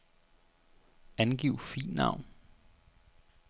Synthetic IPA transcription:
ænɡ̥iʊ̰fḭːnnːɑ̰̈ʊ̰n

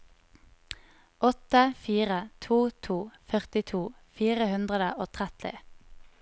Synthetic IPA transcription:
ʔɔt̪əfiːʁət̪ʰuːt̪ʰuːfœʁt̪ɪt̪ʰuːfiːʁəhʉnd̪ʁəd̪əʔoːt̪ʰʁɛt̪ɪ̰

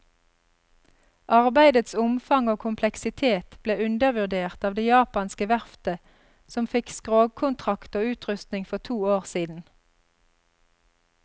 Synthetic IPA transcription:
ʔɑʁbæɪd̪ət̪sʊmfɑŋoːkʰʊmpʰlɛksɪt̪ʰeːt̪b̥leːʉnd̪əʋʉʁd̪eːʁt̪ɑːʋd̪ejɑːpɑnskəʋæʁft̪ə | sɔmfɪkskʁoːɡ̚kʰʊnt̪ʰʁɑkt̪oːʉːt̪ʁʉst̪nɪŋfɔʁt̪ʰuːoːʁsiːd̪n̩

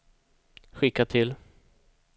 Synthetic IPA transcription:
ɧɪkːat̪ʰɪl

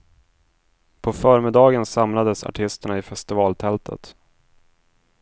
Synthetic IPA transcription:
pʰɔfœːɾmɪd̪ɑːɡənsamlad̪əsa̰ʈʰɪst̪əɳaɪfɛst̪ɪvɑːlt̪ʰɛlt̪ʰə̰t̪

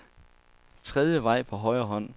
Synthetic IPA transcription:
t͡sʰʁɛð̞ˠjəʋɑ̈ɪ̰pʰɒ̽ɦɒ̽ɪɐɦɒ̽n̰

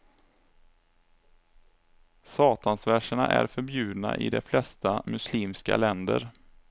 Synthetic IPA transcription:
sɑːt̪ansvæʂəɳaʔæɾfœɾbjʉ̟ːd̪na̰ʔɪ̰d̪ɛflɛst̪amɵsliːmska̰lɛnd̪ə̰ɾ

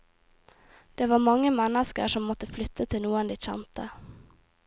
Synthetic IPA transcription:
d̪̥eːʋɑːmɑŋːəmɛnəskə̰ʂɔmːɔt̪əflʏt̪ʰːət̪ʰɪlnuːənd̪iːçɛ̰nt̪ə

